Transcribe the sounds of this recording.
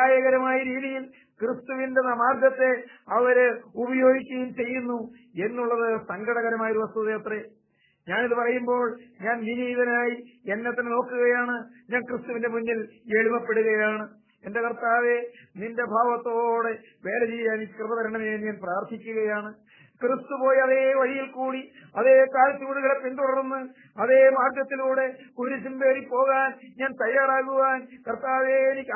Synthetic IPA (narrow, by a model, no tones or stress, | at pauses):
aːjɐɣɐɾɐmaːjɐɾiːðijil | krɨst̪uʋinde̞nɐmaːrd̪jɐt̪ːe̞ɐʋɐɾubɐjo̞ːɡikʲːɐjumt͡ɕe̞jːunːu | e̞nːuɭːɐðɨsɐŋɡɐɽɐɣɐɾɐmaːjuɾuʋɐst̪uðɐjɐt̪re | ɲaːniðɨpɐrɐjumbo̞ːɭɲaːnniniːðɐnaːjienːet̪ːɐnɨno̞ːkːuɣɐjaːɳɨɲaːnkrɨst̪uʋindemunːile̞ɭumɐpːe̞ɽuɣɐjaːɳɨ | e̞nde̞kɐrt̪aːʋe̞ninde̞bʱaːʋɐt̪ːo̞ːɽe̞ | ʋe̞ːlet͡ɕiːjaːneikːkrɨðɐðɐɾeɳɖɐmeːnɲaːnpraːrt̪ʰikʲːuɣɐjaːɳɨ | krɨst̪upo̞ːjiɐðeːʋɐɻijilkuːɽiɐðeːkaːlt͡ɕuːɽuɣɐɭepind̪uɽɐrunːɨ | ɐðe̞ːmaːrɡ̪jɐt̪ːiluːɽe̞koɾusimbe̞ːripo̞ːɣaːnɲaːnt̪ɐjːaːɾaːɣuʋaːnkɐrt̪aːʋe̞ːnikʲː